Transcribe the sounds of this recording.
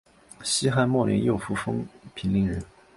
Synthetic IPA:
ɕi˥xa˥nmwɔ˥˩ljɛ̰˧˥njo˥˩ʊfu˧˥fɤ̰˥ŋpʰi˧˥nli˧˥ŋɻə˧˥n

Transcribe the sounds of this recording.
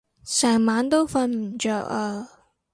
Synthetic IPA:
sɛː˨˩ŋmaː˨˥nt̪o˥wfɐ˧nm̩˨˩t͡ʃœ˨˩ka˧˩

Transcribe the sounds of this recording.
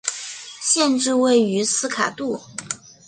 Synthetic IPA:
ɕjɛ˥˧nʈ͡ʂɻ̩˥˧we˥˩ɪy˧˥sɹ̩˥kʰa̰˨˩t̪u˥˩

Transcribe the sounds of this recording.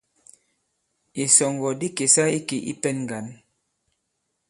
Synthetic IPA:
i˨sɔ˨ŋɡɔ˨di˦ke˨sa˦i˦ke˨ʔḭ˦pɛ˦nŋ˨ɡa˨n

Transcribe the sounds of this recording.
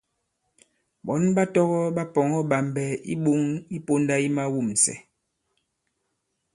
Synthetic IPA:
bɔ˨˦nba˦tɔ˦ɣɔ˦ɓa˦pɔ˨ŋɔ˦ɓa˨mbɛ˨ḭ˦ɓo˦ŋi˦po˦nda˦i˦ma˦wu˦˨msɛ̰˨

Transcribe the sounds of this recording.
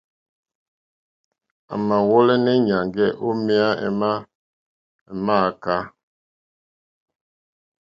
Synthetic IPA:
a̰˨ma˨wɔ˦lɛ˦nɛ˦ɲa˨ŋɡɛ˦˨ʔo˦mɛ˦a˦ɛ̰˨ma˦ | ɛ˨ma˦˨ka˦

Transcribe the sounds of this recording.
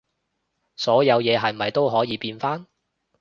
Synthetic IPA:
sɔː˨˥jɐ˨˧wjɛː˨˧ɦɐ˨jm̩˨ɐ˨jt̪o˥wɦɔː˨˥jiː˨˧piː˧nfaː˥n

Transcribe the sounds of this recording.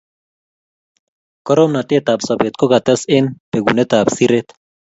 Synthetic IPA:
kɔɾɔmna˨t̪e˦t̪a˨bsɔ˨be˨t̪kɔɡa˨t̪ɛ˦sɪnpe˨ɡṵ˨net̪a˨bsiɾet̪

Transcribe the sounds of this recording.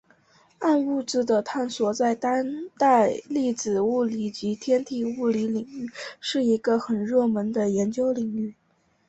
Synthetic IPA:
a˥˧nu˥˩t͡sɹ̩˥˩d̪ə˨t̪ʰa˥˩nswɔ˧˥t͡sa˥˩ɪt̪a˥nt̪a˥˧ɪli˥˩t͡sɹ̩˨˩u˥˩li˨˩t͡ɕi˧˥t̪ʰjɛ˥nt̪ʰi˥˩u˥˩li˧˥li˨˩ŋy˥˧ʂɻ̩˥˩i˧˥ɡə˧xə˨˩nɻɤ˥˩mə˧˥nd̪ə˧jɛ˧˥nt͡ɕjo˥ʊli˨˩ŋy˥˩

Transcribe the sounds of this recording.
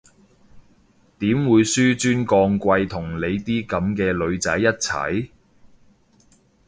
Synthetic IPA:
t̪iː˨˥mwuː˨˧jsyː˥t͡ʃyː˥nkɔː˧ŋkʷɐ˧jt̪ʰʊ˨˩ŋle˨˧jt̪iː˥kɐ˨˧˥mkɛː˧lɵ˨˧ɥt͡sɐ˨˥jːɐ˥t̚t͡sʰɐ̰˨˥j

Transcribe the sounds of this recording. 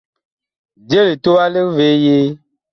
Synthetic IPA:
d͡ʒe˦li˨to˦wa˦li˦ŋ˦ve˨˦je˦

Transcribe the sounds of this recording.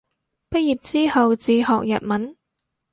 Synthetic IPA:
pɐ˥jiː˨˩p̚t͡siː˥hɐ˨wt͡siː˧hɔː˨k̚jɐ̰˨t̚mɐ˨˥˦n

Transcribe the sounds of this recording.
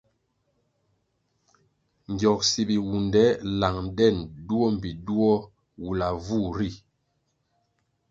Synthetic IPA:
ɲ˨ɟɔ˨k̚si˨bi˨wu˨ndɛ˦la˨ŋdɛ˦˨ndu˦ɔ˦m˨bi˨du˦ɔ˦ | wu˨la˨vu˦˨ɾi˦˨

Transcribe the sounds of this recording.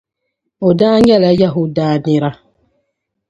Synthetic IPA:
o˨daː˦ɲɛ˦˨la˨˦ja˦˨ɦʊ˦daː˦nɪ˦ɾa˦

